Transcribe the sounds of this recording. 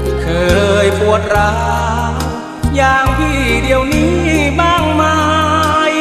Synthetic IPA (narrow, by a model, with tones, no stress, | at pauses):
kʰɤː˧jpu˨˩ət̪̚ɾa˦˥ | jaː˧ŋt̪ʰiː˥˩di˧əwniː˦˥baː˥˩ŋma˧j